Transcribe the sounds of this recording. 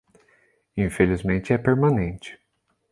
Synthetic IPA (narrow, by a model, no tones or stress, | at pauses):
ĩfelizmẽnt͡ʃɪɛpeɾmɐ̃nẽnt͡ʃɪ̥